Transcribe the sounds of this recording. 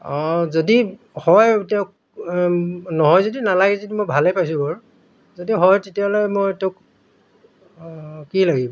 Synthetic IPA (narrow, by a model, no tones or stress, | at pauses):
ɔzodi | hɔjtɛʊk̚ | nɔɦɔjzodinalaɡɛzodimojbʱalɛpajs̬ʊ̃bɔɹ | zodiɦɔjtetialojmojtɛk | kilaɡibɔ